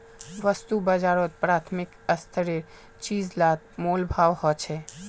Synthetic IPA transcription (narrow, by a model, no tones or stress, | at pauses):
ʋəst̪ubəd͡ʒaɾot̪̚pɾat̪ʰmikəst̪ʰəɾeɾ | t͡ʃizlat̪̚molbʱaʋhɔt͡ʃʰɛ